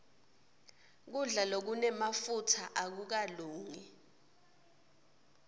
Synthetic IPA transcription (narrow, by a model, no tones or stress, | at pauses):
k̬uɮalok̬unɛmafutʰaʔak̬uk̬aluːŋi